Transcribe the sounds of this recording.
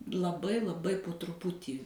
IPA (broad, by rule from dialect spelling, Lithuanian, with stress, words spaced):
lˠɐˈbɐɪ lˠɐˈbɐɪ poː trʊˈpʊtʲiː